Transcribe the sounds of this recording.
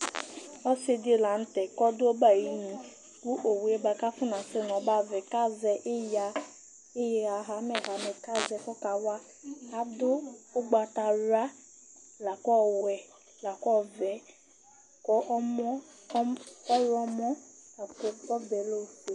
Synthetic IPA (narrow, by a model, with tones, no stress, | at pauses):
ɔ˦sɪ˦dɪ˦˨la˨n̩˦t̪ɛ˨kɔ˦dʊ˦o˦ba˦˨ji˨˦ɲĩ˨ | ku˦ʔo˨wu˨e˦ba˨ka˦fʊ˦nã˨sɪ˦nɔ̃˨˦ba˦vɛ˨ka˦zɛ˨ʔja˨ | e˦ja˨ɦa˨˦mɛ˨ɦa˨mɛ˨ka˦zɛ˨kɔ˦ka˨wa˦ | a˨dʊ˦ʊ˦ɡ͡ba˨ta˨ɾa˦ | la˨kɔ˦wɛ˨ | la˨kɔ˦vɛ˨ | kɔ˦mɔ˦ | kɔ˦ɾɔ˦mɔ̃˦a˨kkɔ˦vɛ˨lo˦˨fe˨